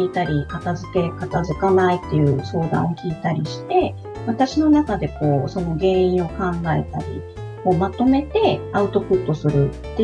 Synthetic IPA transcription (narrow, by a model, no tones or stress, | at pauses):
iːt̪aɾʲikat̪azɨke̞kat̪azɨkanait̪ːe̞jɯ̟ːso̞ːd̪ã̰ɰ̃o̞kʲiːt̪aɾʲiɕi̥t̪e̞ | βat̪aɕino̞nakad̪e̞ko̞ːso̞no̞ɡẽ̞ːĩɰ̃o̞kãŋɡae̞̰t̪a̰ɾʲḭ | ko̞ːmat̪o̞me̞t̪e̞aɯ̟t̪o̞pɯ̟t̪ːo̞sɨɾɯ̟tt̪ːe̞